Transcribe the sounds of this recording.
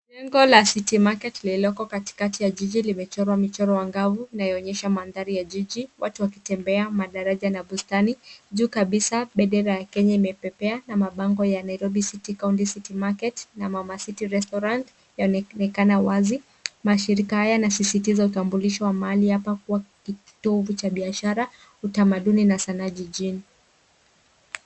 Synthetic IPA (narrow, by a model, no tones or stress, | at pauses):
lɛŋɡɔlasitimakɛtlilɔkɔkati̥katijaʄiʄilimɛt͡ʃɔɾwamit͡ʃɔɾɔwaŋɡavuinajɔɔɲɛʃamanðaɾijaʄiʄiwatuwaki̥tɛmbɛamaɗaɾaʄanaɓustaniʄuːkaɓisaɓɛɗɛɾajakɛɲaimɛpɛpɛanamaɓaŋɡɔjanaiɾɔɓisitikauntisitimakɛtnamamasitiɾɛstɔɾant | jaɔnɛnɛkanawazi | maʃiɾikahajanasisitizautambuliʃɔwamaalihapakuwaki | tɔvut͡ʃaɓiaʃaɾa | utamaɗuninasanaʄiʄini